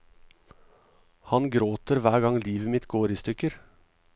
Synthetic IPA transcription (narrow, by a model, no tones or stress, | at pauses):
hɑnɡɾoːt̪əɾʋæːɡɑŋliːʋəmɪt̪ɡoːɾiːst̪ʏkəɾ